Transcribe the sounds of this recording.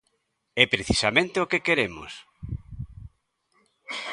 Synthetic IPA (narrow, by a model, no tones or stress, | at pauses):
ɛpɾeθisamẽnt̪eokekeɾemo̰s